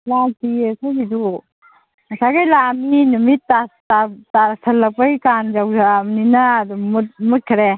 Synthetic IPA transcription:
latiesajbidu | ɐsaɡajlaminumitːatatasʰɐlːɐpajkand͡ʒawzamninadumut̚mut̚kʰɾe

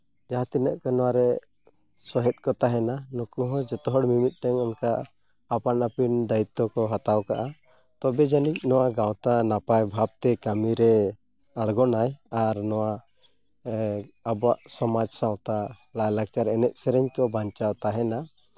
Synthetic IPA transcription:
d͡ʒaɦat̪inəʔkɔnɔwaɾɛ | sɔɦɛt̪̚ˀkɔt̪aɦɛnanɔkuɦɔ̃d͡ʒɔt̪ɔɦɔɽmimit̪̚ˀʈɛɲɔnkaː | panapind̪ait̪ːɔkɔɦat̪awkaʔa | t̪ɔbɛd͡ʒanic̚nɔwaɡaw̃t̪anapajbʱab̚t̪ɛkamiɾɛ | aɽɡɔnajaɾnɔwa | abɔwaʔsɔmad͡ʒsãw̃t̪a | lajlaɡ̚t͡ʃaɾɛnɛt̪̚ˀsɛɾɛɲkɔbaɲt͡ʃawt̪aɦɛna

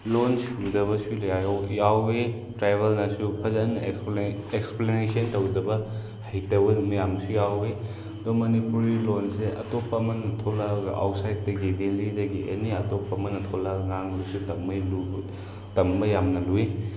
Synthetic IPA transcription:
lonsudɐβɐsuljajojawe | tɾajbʱɐlnasupʰɐzɐnːɐ | eksplenesɐntɐwdɐbɐ | hɐjtɐbɐmɐjamsujawe | ɐdɔmɐnipuɾilonseʔɐ̰topːɐmɐnːɐtʰolaɡɐʔa̰wt̚sajd̚dɐɡidelidɐɡiʔḛniɐtopːɐmɐnːɐtʰolaɡŋaŋlusutɐmɐjlu | tɐmbɐjamnɐlui

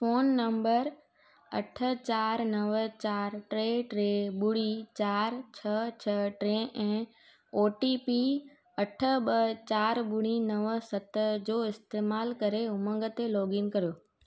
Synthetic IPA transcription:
foːnːɐ̃mbəɾ | ɐʈʰə̆t͡ɕaːɾnɐʋət͡ɕaːɾʈɾeːʈɾeɓʊɽit͡ɕaːɾt͡ɕʰɐt͡ɕʰɐʈɾẽʔɛ̃ː | oːʈipi | ɐʈʰə̆ɓət͡ɕaːɾɓʊɽ̃inɐʋsɐt̪d͡ʑoːɪst̪eːmaːlkɐɾeʊmə̃ŋɡət̪elɔːɡɪnkɐɾijoː

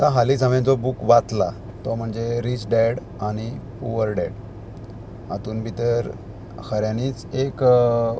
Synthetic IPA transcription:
t̪aɦalid͡zəmẽd͡zɔbukʋat̪la̰ | t̪ɔm̤əɳd͡zeɾit͡ɕɖeɽ | aɽ̃ipuʋəɾɖeɽ | a̰t̪uːnbʱit̪əɾ | kʰəɾjaniːt͡sek

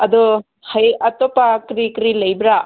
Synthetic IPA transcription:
ɐd̪ɔ | hajɐtɔpakɾikɾilɐjbɾa

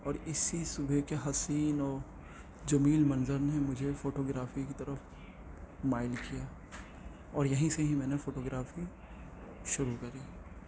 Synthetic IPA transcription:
ɔːɾɪsisʊbʱekeɦɐsiːnɔːɾ | d͡ʒɐmiːlmɐ̃nzəɾnemʊd͡ʒʱefoːʈoːɡɾaːfikit̪ɐɾəf | maːɪlkijaː | ɔːɾjɐɦĩseɦimɛ̃ːnefoːʈoːɡɾaːfi | ʃʊɾukɐɾiː

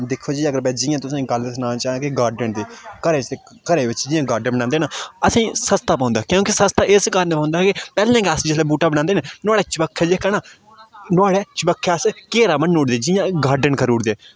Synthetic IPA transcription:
d̪ɪkʰːoːd͡ʒiːəɡəɾbɛːd͡ʒɪːjãːt̪ʊsãːɡəlsnãːt͡ʃaːkeɡaːɾɖənd̪eːkəɾeːt͡ʃ̪ː | kəɾeːʋɪt͡ʃd͡ʒɪ̃jãːɡaːɾɖənbəɽnãːnd̪eːnaːəsĩːsəst̪aːpãːnd̪aːkjõːkisəst̪aːʔɪskaːɾənepãːʊnd̪aːkepɛːlẽːkəsd͡ʒɪleːbuːʈaːbəɽãːnd̪eːnẽːnʊaːɽɛːt͡ʃbəkʰːɛːd͡ʒeːkɛːnaː | nʊaːɽɛːt͡ʃəbəkʰːɛːskeːɾaːmənːoːɽd̪eːd͡ʒɪjãːɡaːɾɖənkəɾuːɽd̪eː

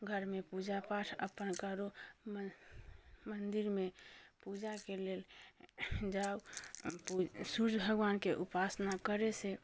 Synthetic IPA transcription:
ɡʱəɾmepud͡ʒapaʈʰə̰pənkəɾom | mənd̪iɾmepud͡ʒakelel | d͡ʒau | suɾd͡ʒbʱəɡʋaːnkeʔupasnakəɾese

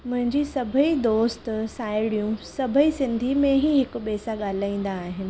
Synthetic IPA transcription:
mʊ̃ɦɪ̃ɲd͡ʑisɐbʱəid̪oːst̪saːɪɽijũsɐbʱəisɪ̃nd̪ʱimẽɦiɦɪkʊ̆ɓeːsaɠaːl̤aːĩːn̆d̪aːɦɪnɪ̆

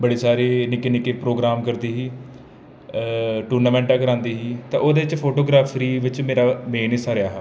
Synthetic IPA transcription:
bəɽeːsaːɾeːnɪkeːnɪkeːpɾoːɡɾaːmkəɾd̪iːɦiː | ʈuːɾnaːmɛ̃ːɳʈaːkəɾãːnd̪iːɦiːt̪ã̰ːʔoːd̪eːʋɪt͡ʃpʰoːʈoːɡɾaːpʰɾiːʋɪt͡ʃmeːɾaːmeːnɪsaːɾɪjaːɦɛː

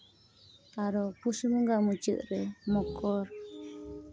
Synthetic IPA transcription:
aɾopuʃɨmɨ̃ŋɡamũt͡ʃɨ̰ʔɾemõkʰoɾ

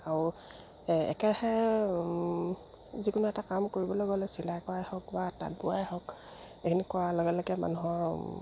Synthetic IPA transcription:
aɹʊ | ɛ̰kɛɹahɛ | zikʊnuɛtakamkoɹibɔloɡɔlosilakɔajhɔkbata̰t̚bʊajɦɔk | ekʰinikʊaloɡɛlɔɡɛma̰nuɦɔɹ

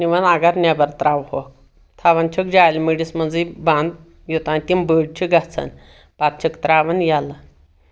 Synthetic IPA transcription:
niʋənaɡaɾnjabəɾt̪ɾaʋhok̚ | t̪ʰaʋant͡ɕʰəkd͡ʑajlmiɽisməd͡zəjbãnd̪ | jot̪ãnit̪imbəɽt͡ɕʰiɡat͡sʰə̰n | pat̪̚t͡ʃʰəkt̪ɾaʋənjala

